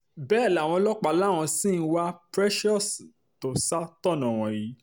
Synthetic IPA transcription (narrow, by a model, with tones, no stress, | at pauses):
bɛ˦˨la˨w̃ɔ̃˧lɔ˦k͡pa˧la˦˨w̃ɔ̃˧sĩ˦˨n̩˦˧wa˦pɾɛ˦ʃɔ˦˨s | to˨sa˦tɔ˦˨nã˨w̃ɔ̃˨ji˨˦